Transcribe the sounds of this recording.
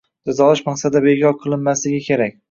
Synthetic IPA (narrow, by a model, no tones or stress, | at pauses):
d͡ʒazɒlɪʃmaχsad̪ɪbekʰʲɒɾqʰɨlˠɪnmaslɪɡʲɪkʲʰe̞ɾak̚ʲ